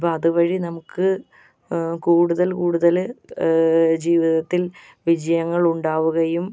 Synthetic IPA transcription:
pːoɐðuʋɐɻinɐmukːɨ | kuːɽuðɐlkuːɽuðɐl | d͡ʑiːʋiðɐt̪ːil | ʋid͡ʑɐjɐŋːɐɭuɳɖaːʋuɣɐjum

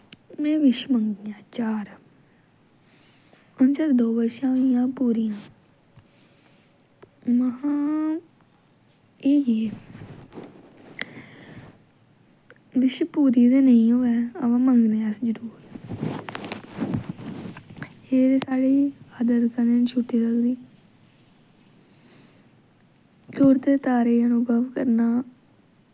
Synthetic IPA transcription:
mɛ̃ːʋɪʃməŋɡɪjãːt͡ʃaːɾ | ənt͡ʃaɾd̪oːbəʃãːɪjãːpuːɾijãː | məɦãː | eːɦe | ʋɪʃpuːɾiːd̪eːnəĩːɦoːɛːəʋãːməŋɡneːɛsd͡ʒəɾuːɾ | eːd̪eːsaːɽiːaːd̪ət̪kənd̪eːnt͡ʃʰʊʈːiːləkd̪iː | t̪oːɾt̪eːt̪aːɾeːənuɡəʋkəɾnaː

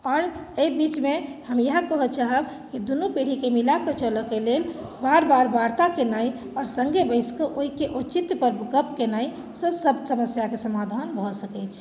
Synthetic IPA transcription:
ɔːɾeibit͡ʃmehəmjəɦãkəɦət͡ʃaɦəb | kid̪unupiɽ̤ikemilakət͡ʃəlɔkelelbaɾbaɾbaɾt̪akenaj | ɔːɾsəŋɡʱebəɪskəʔoikeʔut͡ʃit̪pəɾbɡəpkenaj | səsəbsəməsjakesəmad̪ʱənbʱɔsəkɛt͡ʃʰ

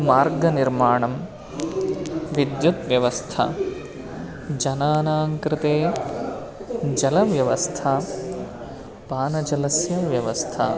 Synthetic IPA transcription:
maːɾɡɐniɾmaːɳɐm | ʋid̪jut̪ʋjɐʋɐst̪ʰɐ̰ | d͡ʒɐnaːnaːŋkɾɪt̪eː | d͡ʒɐlɐʋjɐʋɐst̪ʰɐ | paːnɐd͡ʒɐlɐsjɐʋjɐʋɐst̪ʰɐ̰

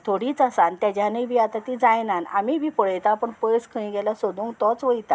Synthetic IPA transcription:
t̪ʰoɽiːt͡sasant̪jad͡ʑjanəjbiːat̪at̪id͡zajnanamibiːpɔɭəjt̪apəɳpəjskʰəĩɡɛlasod̪uːŋɡt̪ɔt͡sʋəjt̪a

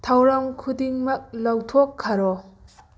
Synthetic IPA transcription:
tʰawɾamkʰudiŋmɐk̚lawtʰokʰːaɾɔ

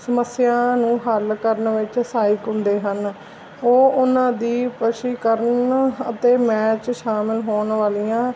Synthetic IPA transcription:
səməsːɪjãːnũːɦəlkəɾnʋɪt͡ʃsaːɪkɦʊ̃nd̪eːɦən | oːʊnãːd̪iːpəʃiːkəɾənət̪eːmɛːt͡ʃʃaːmɪlɦoːnʋaːlijãː

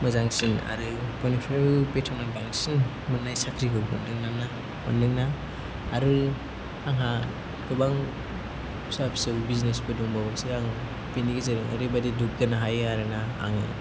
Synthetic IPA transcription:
mɯzaŋsina̰ɾɯpɔnipʰeɾɯpetʰɔŋnabaŋsin | mɯnːajsakʰɾiɡɯbɔndɯŋnana | mɔ̰nːɯŋnaː | ɾɯ | aŋɦa | kɯbaŋ | sapsɯwbiznesbɯduŋbawasɯɾaŋ | peniɡizɯɾɯŋa̰ɾɯbadiduk̚ɡanaɦajaɾɯnaa̰ŋɯ̰

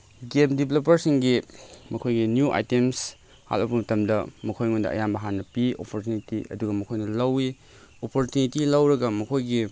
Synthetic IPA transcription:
ɡemdibʱlopɐɾsiŋɡimɐkʰojɡinjuʔa̰jtems | ha̰lɐpɐmɐtɐmdɐmɐkʰojŋondɐ̰ʔɐ̰jambɐɦanːɐpio̰pʰoɾtjunitiʔɐ̰duɡɐmɐkʰojnɐlɐwi | opʰoɾtjunitilɐwɾɐɡɐmɐkʰojɡi

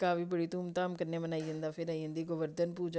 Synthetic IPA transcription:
kaːfʰiːbəɽiːt̪uːmt̪aːmkəɾneːmənaːiːɦə̃nd̪aːpʰɪɾaːiɦə̃nd̪iːɡʊʋəɾd̪ənpuːd͡ʒa

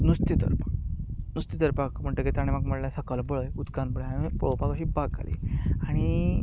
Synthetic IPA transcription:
nust̪it̪ə̰ɾpḁknust̪it̪əɾpakm̤əɳʈəkit̪aɽ̃emakməɽljasəkəlbəɭəjud̪kanbəɭəjaipɔɭopakəɕiːbaɡa̰lḭaɽ̃i

